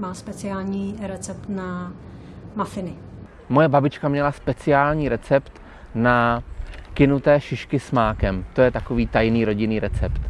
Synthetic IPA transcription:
maːspɛt͡sɪaːlɲiːɾɛt͡sɛpt̪na | mafɪnɪ | mo̞jɛbabɪt͡ʃkamɲɛlaspɛt͡sɪaːlɲiːɾɛt͡sɛpt̪ | na | kɪnut̪ɛːʃɪʃkɪsmaːkɛmt̪o̞jɛt̪ako̞viːt̪ajniːɾo̞ɟɪniːɾɛt͡sɛpt̪

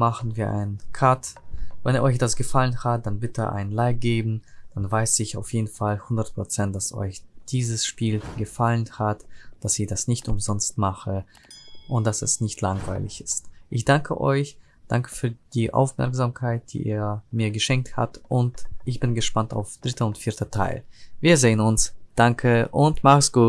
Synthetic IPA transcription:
maχn̩viːɐʔa̰ɪnənkʰatvɛ̰niːɐʔɔʏçd̥asɡ̥əfalənhat̚d̥anbɪtʰəʔa̰ɪnənlaɪp̚ɡ̥eːbm̩d̥anvaɪsɪçaʊfjeːdn̩falhʊndɐt̚pʁ̥ot͡sɛnt̚d̥asɔ̰ʏçd̥iːzəsʃpiːlɡəfalənhatd̥asɪçd̥asnɪçtʊmzɔnstmaχə | ʔʊnt̚d̥asɛ̰snɪçtʰlaŋva̰ɪlɪçɪstʔɪçd̥aŋkʰə̰ʔɔ̰ʏç | d̥a̰ŋkə̥fyːɐd̥iːʔa̰ʊfmɛ̰ɐkz̥amkʰaɪt̚d̥ḭːʔḭːɐmiːɐɡəʃɛŋk̚tha̰tʔʊntʔɪçb̥ɪnɡəʃpanta̰ʊfd̥ʁɪtʰɐʊntfɪːɐtʰɐtʰa̰ɪlviːɐzeːənʊnsd̥aŋkʰəʔʊntmaχəsɡ̥uː

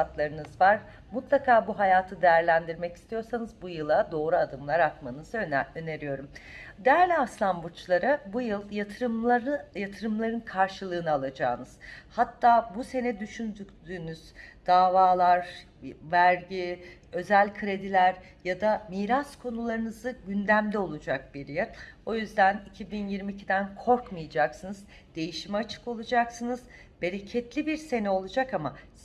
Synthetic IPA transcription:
at̪lˠaɾɯnɯzvaɾ̥ | mut̪lˠakʰaːbuɦajaːt̪ʰɯd̪e̞jæɾlʲænd̪iɾmɛci̥st̪ʰijo̞ɾsanɯzbujɯlˠad̪o̞ːɾuad̪ɯmlˠaɾakmanɯz̥ɯøne̞ɾijo̞ɾumd̪eæɾlʲaslˠambut͡ʃlˠaɾɯbujɯlˠjat̪ʰɯɾɯmˠaɾɯjat̪ʰɯɾɯmlˠaɾɯnkʰaɾʃɯlˠɯːnɯalˠad͡ʒaːnɯz̥hat̪ʰːaːbuse̞nɛd̪yʃynd̪ykd̪yːnyz̥d̪̥aːvaːlˠaɾ | væɾɟiø̞zælʲkʰɯɾe̞d̪ilʲæɾ | jad̪amiːɾaskʰo̞nulˠaɾɯnɯzɯɟynd̪æmd̪ʲɛo̞lˠud͡ʒak̚biɾjɛɾo̞jyzd̪ænicʰibinjiɾmiːcʰid̪ænkʰo̞ɾkmɯjad͡ʒaksɯnɯz | d̪̥e̞jiʃimɛat͡ʃʰɯ̥ko̞lˠud͡ʒaksɯnɯz | be̞ɾe̞cʰɛt̪lʲibiɾse̞nɛo̞lˠud͡ʒakama̰

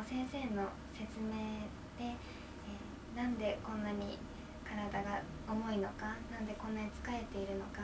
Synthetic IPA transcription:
sẽ̞ɰ̃se̞ːno̞ | se̞t͡sɨme̞ː | d̪̥e̞ | nãnd̪e̞kõ̞nːaɲ̟ḭ | kaɾad̪aɡa | omo̞ino̞kanãnd̪e̞kõ̞nːaɲ̟it͡sɨ̥kae̞t̪e̞iɾɯ̟no̞ka

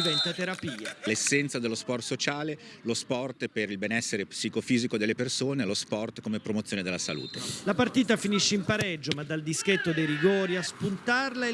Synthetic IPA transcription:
ivɛnt̪at̪eɾapiːalesːɛnt̪sad̪elospɔrt̪sot͡ʃaːlelospɔrt̪peɾilbenɛsːeɾepsikofiːzikod̪elːepersoːnelospɔrt̪komepɾomot̪sjoːned̪elasa̰lṵːt̪elapart̪iːt̪afiniʃːeimpaɾɛd͡ʒːomad̪ːald̪isket̪ːod̪ejɾiɡoːɾiaspunt̪arla

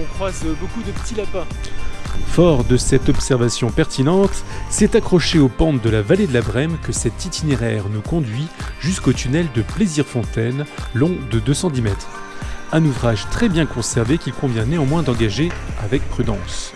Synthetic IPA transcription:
ɔ̃kχwazbokud̪əpə̥t̪ilapɛ̃ | fɔʁd̪əsɛt̪ɔpsɛʁvasjɔ̃pɛʁt̪inɑ̃t̪sɛt̪akχɔʃeopɑ̃t̪̚d̪əlavaled̪əlabʁɛmkəsɛt̪it̪ineʁɛʁnukɔ̃d̪ɥiʒyskot̪ynɛld̪əpleziʁfɔ̃t̪ɛnlɔ̃d̪əd̪øsɑ̃d̪imɛt̪χɛ̃nuvʁaʒt̪χɛbjɛ̃kɔ̃sɛʁvekʲilkɔ̃vjɛ̃neɑ̃mwɛ̃d̪ɑ̃ɡaʒeavɛk̚pχyd̪ɑ̃s

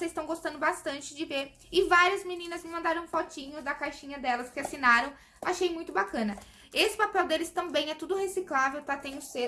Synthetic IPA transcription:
sezɪ̥st̪ɐ̃w̃ɡost̪ɐ̃nd̪ʊbast̪ɐ̃nt͡ʃɪd͡ʒɪveɾ | ɪvaɾiɐzminĩnɐzmɪmɐ̃nd̪aɾɐ̃w̃fɔt͡ʃĩɲʊd̪ɐkajʃĩɲɐd̪ɛlɐskɪasinaɾɐ̃w̃ | aʃejmũj̃t̪ʊbakɐ̃nɐ | esɪ̥papɛwd̪elɪst̪ɐ̃mbẽj̃ɛt̪ud̪ʊhesiklavewp̪ɾat̪ẽj̃ʊse

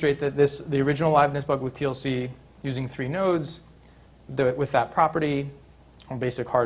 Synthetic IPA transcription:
stɹ̥eɪt̪̚ðɨt̪̚ðɪsðiə˞ɪd͡ʒɨn̩l̩ˠlaɪvnɨsb̥ʌɡwɨð̥tʰiɛlˠsi | jʉzɪ̃ŋθɹinoʊdz | ðɨwɨðət̚pʰɹ̥ɑpə˞ɾi | beɪsɨkhɑɹ

